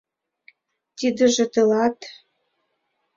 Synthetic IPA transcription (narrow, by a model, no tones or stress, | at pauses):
t̪id̪ə̆ʒĕt̪ɤ̆lɑt̪